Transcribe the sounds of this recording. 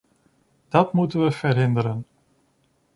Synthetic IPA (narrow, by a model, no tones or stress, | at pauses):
d̥ɑtmutənʋəv̥ərɦɪndəɾən